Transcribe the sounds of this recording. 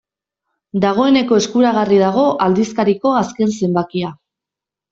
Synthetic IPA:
d̪aɣ̞o̞e̞ne̞ko̞eskuɾaɣarið̞aɣ̞o̞ʔald̪iskaɾiko̞aske̞nse̞mbakia

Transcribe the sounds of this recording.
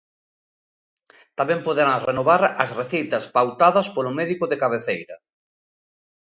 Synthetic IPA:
t̪amɛ̃mpoðeɾaŋrenoβaɾɐsreθint̪ɐspawt̪aðɐspolʊmɛðikʊðekaβ̞eθejɾɐ

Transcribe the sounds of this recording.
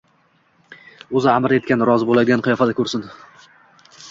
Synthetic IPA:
ɵzɪamɾe̞t̪̚kʲanɾɒzbolad̪ɪanqʰɨjɒfad̪akʰʲɵɾsɪn

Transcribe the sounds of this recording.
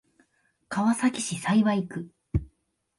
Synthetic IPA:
kaβasakʲiɕisaiβaikɯ̟

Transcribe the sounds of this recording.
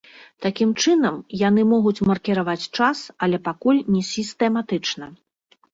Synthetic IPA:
t̪akʲimt͡ʂɨn̪ɐmjanɨmɔɣut͡sʲmɐrkʲiɾavat͡sʲt͡ʂasɐlʲɛpakulʲnʲɛsʲist̪ɛmat̪ɨt͡ʂnɐ

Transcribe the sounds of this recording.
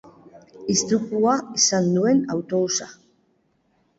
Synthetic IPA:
ist̪ɾukuaisand̪ue̞nawt̪o̞βusa

